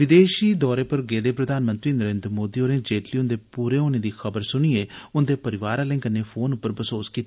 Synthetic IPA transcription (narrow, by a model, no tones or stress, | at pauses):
ʋɪd̪eːʃiːd̪ɔːɾeːpəɾɡeːd̪eːpɾəd̪ʱaːnmə̃nt̪ɾiːnəɾẽːnd̪ɾmoːd̪iːoːɾẽːd͡ʒeːʈliːʊnd̪eːpuːɾeːoːneːd̪iːxʰəbəɾsʊniːeːʊnd̪eːpəɾɪʋaːɾaːləĩːkəneːpʰoːnʊpːəɾbəsoːskiːt̪ː